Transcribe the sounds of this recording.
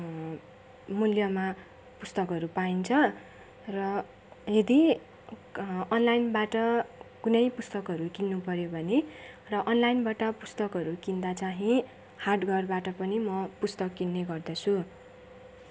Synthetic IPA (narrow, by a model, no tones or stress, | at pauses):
muljʌma | pust̪ʌkɦʌɾupaint͡sʰʌ | rʌ | jʌd̪i | ʌnlajnbaʈʌkunʌjpust̪ʌkʌɾukinːupʌɾjobʱʌne | rʌʔʌnlajinbaʈʌpust̪ʌkʌɾukind̪at͡saɦĩ | harɖɡʌrbaʈʌpʌnimʌpust̪ʌkːinːeɡʌrd̪ʌt͡sʰu